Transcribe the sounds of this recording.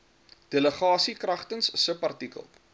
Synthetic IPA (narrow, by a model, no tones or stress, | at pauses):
d̥eləχɑːsikrɐχtənssəpɐrtikə̰lˠ